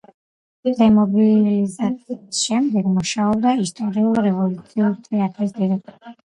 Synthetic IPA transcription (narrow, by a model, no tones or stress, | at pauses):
d̪̥ɛmɔbilizat̪sʰiisʃɛmd̪ɛɡmuʃaɔb̚d̪aist̪ʼɔɾiulɾɛvɔlut̪sʰiuɾt̪ʰʼɛat̪ʼɾisd̪iɾɛkɛ